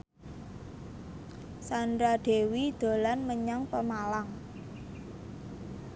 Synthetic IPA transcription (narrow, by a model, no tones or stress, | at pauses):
sanɾaɖ̪̥e̤wid̪̥o̤lanməɲaŋpəmalaŋ